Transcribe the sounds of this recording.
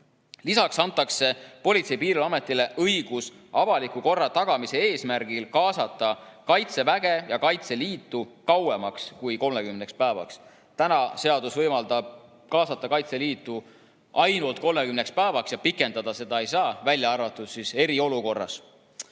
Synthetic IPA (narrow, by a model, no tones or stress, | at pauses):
lisɑksɑnt̪ˑːɑkse̞po̞lʲit̪se̞jpiːɾiɑme̞t̪ːˑile̞ʔɤjɡ̥usɑvɑlikuko̞rːɑt̪ɑɡ̥ɑmise̞eːsmæɾɡ̥ilkɑːsɑt̪ːˑɑkɑjt̪se̞væɡ̥e̞jɑkɑjt̪se̞liːt̪ːˑukɑwemɑkskujko̞lme̞kymne̞kspæevɑ̰ks | t̪ænɑse̞ɑd̪usvɤjmɑld̪ɑb̥̚ | kɑːsɑt̪ːˑɑkɑjt̪se̞liːt̪ˑːu | ʔɑjnult̪̚ko̞lme̞kymne̞kspæevɑksjɑpikːˑe̞nd̪ɑd̪̥ɑse̞d̪̥ɑe̞jsɑːvælʲjɑɑrvɑt̪ːˑussise̞ɾio̞luko̞rːɑ̰s